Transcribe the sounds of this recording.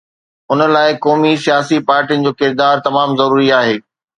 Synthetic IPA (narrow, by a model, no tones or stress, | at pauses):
ʊnəlaːɪkɔːmisijaːsipaːɾʈijə̃nɪd͡ʑoːkɪɾd̪aːɾt̪ɐmaːmzɐɾuːɾiaːɦeː